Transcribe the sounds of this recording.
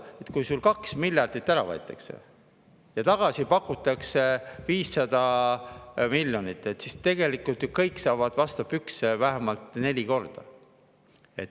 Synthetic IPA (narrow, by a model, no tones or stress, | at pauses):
e̞t̪kujsulkɑksmiljɑrd̪̥it̪ːæɾɑvɑ̰jt̪ːˑɑksḛ | jɑt̪ɑɡ̥ɑsipɑkːˑut̪ːˑɑkse̞viːsːɑd̪̥ɑ | milʲjo̞nit̪ːˑe̞t̪ːsist̪e̞ɡe̞likːˑult̪kɤ̞jkːˑsɑːvɑd̪̥vɑst̪ɑpyksevæɦemɑlt̪ˑne̞lʲiko̞rd̪̥ɑ̰ | e̞̰t̪